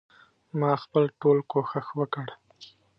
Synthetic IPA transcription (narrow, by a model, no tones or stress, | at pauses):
mɑxpəlʈolkoxəxwəkəɽ